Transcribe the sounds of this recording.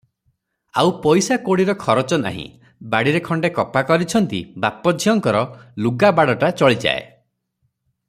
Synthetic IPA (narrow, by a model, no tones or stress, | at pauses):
a̰wpɔjsakoɽiɾɔkʰɔɾɔt͡ʃɔna̰ɦḭ̃ | baɽiɾekʰɔɳɖekɔpakɔɾit͡ʃʰɔnt̪ḭbapɔd͡ʒʱiɔŋkɔɾɔluɡabaɽɔʈat͡ʃɔɭid͡ʒa̰ḛ